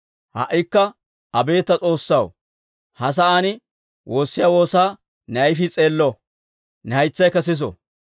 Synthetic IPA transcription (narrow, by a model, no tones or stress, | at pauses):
hɐ̰ʔːɪkːɐ | ɐbe̞ːt̪ːɐt͡sʼo̞ːsːɐw | hɐs̬ɐʔaːnɪ | wʔo̞ːsːɪjaːwo̞ːsaː | nɐjfɪt͡sʼe̞ːlːɔ | nɛɐjt͡sːɐjkɐsɪs̬ɔ̰